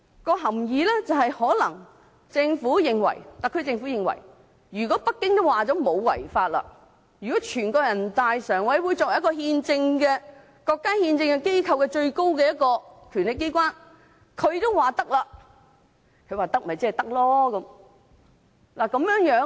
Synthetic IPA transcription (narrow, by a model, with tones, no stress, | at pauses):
kɔː˧ɦɐ˨˩mjiː˨˧lɛː˥t͡sɐ˨whɐ˨jhɔː˨˥lɐ˨˩ŋ | t͡sɪ˧ŋfuː˨˥jɪ˨ŋwɐ̰˨˩jt̪aː˨˩kʰɵ˧ɥt͡sɪ˧ŋfu˨˥jɪ˨ŋwɐ̰˨˩j | jyː˨˩kɔ˨˥pɐ˥kːɪ˥ŋt̪o˥waː˨t͡sɔː˨˥mo˨˧wwɐ̰˨˩jfaː˧t̚lɐ̰˧ | jyː˨˩kɔ˨˥t͡ʃʰyː˨˩nkɔː˧jɐ˨˩nt̪aː˨jsœː˨˩ŋwɐ˨˥jwu˨˧jt͡sɔː˨k̚jkɔː˧ɦiː˧nt͡sɪ˧ŋkɛː˧ | kɔː˧kːaː˥hiː˧nt͡sɪ˧ŋkɛ˧ke˥jkʰɐ˧wkɛː˧t͡ʃɵ˧ɥko˥wkɛː˧jɐ˥t̚kːɔː˧kʰyː˨˩nlɪ˨˩kːe˥jk̬ʷwaː˥n | kʰɵ˨˧ɥt̪o˥wwaː˨t̪ɐ˥k̚laː˧ | kʰɥwaː˨˩t̪ɐ˥k̚m˨jt͡sə˥ɐ˨˩t̪ɐ˥k̚lɔː˥kɐ˨˧˦m | laː˨˩kɐ˨˧˥mjœː˨˥ŋjœː˨˥